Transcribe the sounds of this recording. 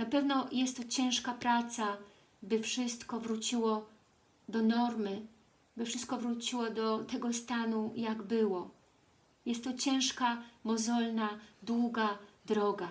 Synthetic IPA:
napɛvnɔjɛst̪ːɔt͡ɕɛ̃ʂkapɾat̪sa | bɘfʂɘst̪kɔvɾut͡ɕiwɔ | d̪ɔnɔɾmɘ | bɘfʂɘst̪̚kɔvɾut͡ɕiwɔd̪ɔt̪ɛɡɔst̪anujaɡbɘwɔ | jɛst̪ːɔt͡ɕɛ̃w̃ʂkamɔzɔlnad̪wuɡad̪ɾɔɡa

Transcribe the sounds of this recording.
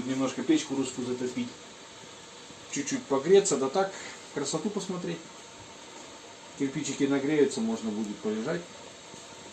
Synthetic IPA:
t̪nʲɪmnoʂkəpʲet͡ɕkʊɾuskʊzət̪ɨzpʲitʲ | t͡ɕːʉt͡ɕːut̚ʲpɐɡɾʲet̪sːəd̪ət̪ak | kɾəsɐt̪upəsmɐt̪ɾʲetʲ | tʲɪrpʲit͡ɕɪkʲɪnɐɡɾʲejʊt̪səmoʐnəbudʲɪt̪̚pəlʲɪʐatʲ

